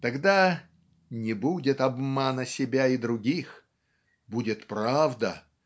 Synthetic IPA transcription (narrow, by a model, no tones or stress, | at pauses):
t̪ɐɡd̪a | nʲɪbudʲɪt̪ɐbmanəsʲɪbʲaid̪ɾʊɡʲix | budʲɪt̪pɾavd̪ə